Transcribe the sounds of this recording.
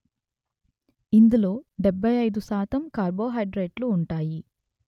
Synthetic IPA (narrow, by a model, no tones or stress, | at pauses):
ind̪ulo̞ːɖebʱːɐjɐjd̪usaːt̪ɐmkaːɾbo̞ːɦɐjɖɾeːʈluːɳʈaːji